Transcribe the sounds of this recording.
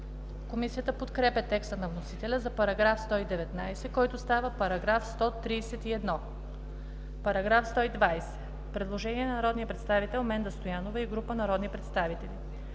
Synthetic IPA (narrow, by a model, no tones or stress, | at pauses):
komisijət̪əpot̪kɾɛpɛt̪ɛkst̪ənɐvnosit̪ɛlʲəzɐpɐɾɐɡɾafst̪ɔid̪ɛvɛt̪najsɛkɔjt̪ʊst̪avəpɐɾɐɡɾafst̪ɔt̪ɾiːsɛt̪iɛd̪nɔ | pɐɾɐɡɾafst̪ɔid̪vajsɛ̥ | pɾɛd̪lˠoʒɛniɛnɐnɐɾɔd̪nijəpɾɛt̪st̪avit̪ɛlˠmɛnd̪ɐst̪ojanovəiɡɾupənɐɾɔd̪nipɾɛt̪st̪avit̪ɛli